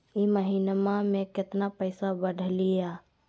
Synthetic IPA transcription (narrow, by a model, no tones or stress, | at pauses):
iməɦinmãmẽkɪt̪napəɪsabəɖʱlija